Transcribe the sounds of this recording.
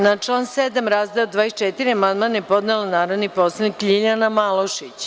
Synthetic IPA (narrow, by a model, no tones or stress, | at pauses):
nat͡ʃlˠaːnseːd̪amɾazd̪ajod̪ʋaːest͡ʃet̪iɾiamand̪manjepo̞d̪nelanaːɾod̪niposanikʎiʎʲanamalˠoʃit͡ɕ